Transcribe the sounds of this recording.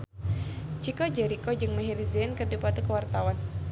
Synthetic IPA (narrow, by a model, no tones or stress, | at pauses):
t͡ʃikɔd͡ʒɛɾikɔd͡ʒɨŋməɦiriziɛnkərdipat̪ukəwart̪awan